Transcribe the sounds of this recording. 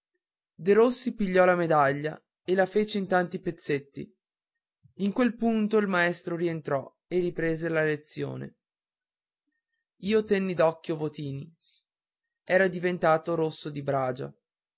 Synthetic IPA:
d̪eɾosːipiʎːɔlamed̪aʎːa̰ | elafeːt͡ʃeint̪ant̪ipet̪sːet̪ːḭ | iŋkwelpunt̪oilmaɛst̪ɾoɾient̪ɾɔ | eripɾeːzelalet̪sːjo̰ːnḛ | iːot̪ɛnːid̪ɔkːjovot̪iːni | ɛːɾad̪ivent̪aːt̪oɾosːod̪ibɾaːd͡ʒa̰

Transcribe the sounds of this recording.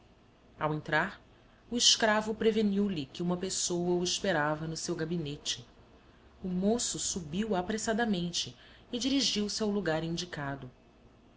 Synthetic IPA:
awẽnt̪ɾaɾ | ʊiʃkɾavʊpɾeveniwlɪkɪũmɐpesowɐʊiʃpeɾavɐnʊsewɡabinet͡ʃɪ | umosʊsubiwapɾesad̪ɐmẽnt͡ʃɪːd͡ʒiɾiʒiwsɪawluɡaɾĩd͡ʒikad̪ʊ

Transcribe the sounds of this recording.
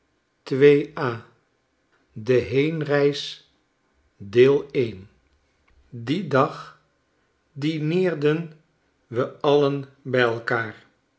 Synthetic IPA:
tʋejʔaː | dəɦejnrɛjs | dɪːlˠejn | didɑχ | dinɪːɹdən | ʋəʔɑlənbɛjɛlˠkaːɹ

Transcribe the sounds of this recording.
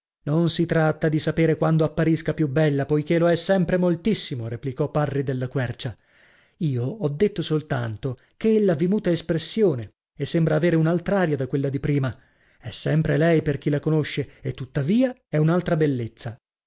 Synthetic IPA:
nonsit̪ɾat̪ːad̪isapeːɾekwand̪oapːaɾiskapjubɛlːapojk̟eloɛsːɛmpɾemolt̪isːimoɾeplikɔpːarːid̪elːakwɛrt͡ʃa | iːoɔd̪ːet̪ːosolt̪ant̪o | keelːavimuːt̪aespɾesːjoːne | esːembɾaːveːɾeunalt̪ɾaaːɾjad̪akwelːad̪ipɾiːma | ɛsːɛmpɾelɛjperk̟ilakonoʃːeet̪ːut̪ːaviːaɛunalt̪ɾabelːet̪sːa

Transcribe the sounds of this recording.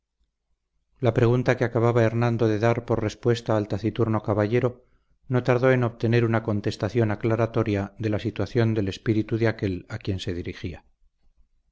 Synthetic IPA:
lapɾe̞ɣ̞unt̪akeakaβ̞aβae̞ɾnãnd̪o̞ðe̞ðaɾpo̞ɾre̞spwe̞st̪aːlt̪aθit̪uɾno̞kaβaʝeɾo̞ | no̞t̪aɾðo̞e̞no̞βt̪e̞ne̞ɾunako̞nt̪e̞st̪aθjo̞naklaɾat̪o̞ɾjaðe̞lasit̪waθjo̞nd̪e̞le̞spiɾit̪uðeake̞lakje̞nse̞ðiɾixia

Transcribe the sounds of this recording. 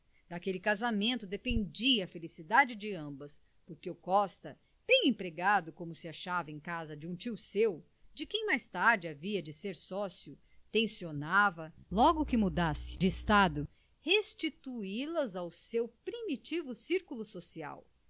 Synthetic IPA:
d̪akelɪkazamẽnt̪ʊd̪epẽnd͡ʒiɐːfelisid̪ad͡ʒɪd͡ʒɪɐ̃mbɐs | poɾkeʊkɔst̪ɐ | b̥ẽj̃ẽpɾeɡad̪ʊkõmʊsɪaʃavɐẽj̃kazɐd͡ʒɪũt͡ʃiwsew | d͡ʒɪkẽj̃majst̪aɾd͡ʒɪaviɐd͡ʒɪseɾsɔsiʊ | t̪ẽsionavɐlɔɡʊkɪmud̪asɪ̥d͡ʒɪist̪ad̪ʊ | hest͡ʃit̪uilɐzawsewpɾimit͡ʃivʊsiɾkulʊsosia̰w

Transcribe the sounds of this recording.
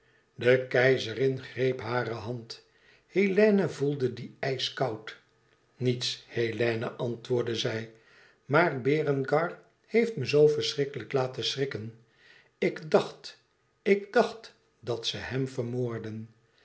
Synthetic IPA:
dəkɛjzərɪnχrejpɦaːɾəɦɑnt | helɛːnəvulˠdədiɛjskɑwt | nitshelɛːnə̰ʔɑntʋʊːɹdəzɛj | maːrbɪːrənɡɑɹ | hejftməzowfəɹsrɪkələklaːtəsrɪkən | ɪɡdɑχt | ɪɡdɑχt | dɑtsəɦɛmfəɹmoːɹdən

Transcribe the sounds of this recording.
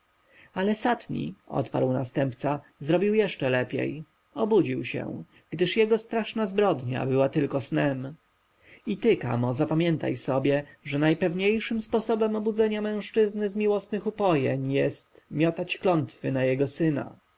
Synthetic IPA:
alɛsat̪ɲḭɔ̰t̪pa̰ɾwna̰st̪ɛmpt̪sa | zɾɔbʲiwjɛʂt͡ʂɛlɛpʲjḛj | ɔbud͡ʑiwɕɛ̰̃ | ɡd̪ɘʂjɛɡɔst̪ɾaʂnazbɾɔd̪ɲa̰bɘwat̪ɘlkɔsnɛm | it̪ɘka̰mɔzapamʲjɛnt̪a̰jsɔbʲjɛʐɛnajpɛvɲejʂɘmspɔsɔbɛmɔbudzɛɲamɛ̃w̃ʂt͡ʂɘznɘzmʲiwɔsnɘxupɔjḛɲjɛst̪mʲjɔt̪at͡ɕklɔnt̪fɘnajɛɡɔsɘna̰

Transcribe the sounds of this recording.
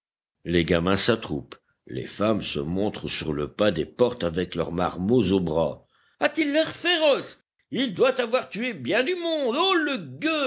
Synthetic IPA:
leɡamɛ̃sat̪χup | lḛfamsəmɔ̃t̪χəsyʁləpad̪epɔʁt̪avɛklœ̰ʁma̰ʁmozobʁa̰ | at̪ilːɛʁfeʁɔs | ild̪wat̪avwaʁt̪yebjɛ̃d̪ymɔ̃d̪oləɡø

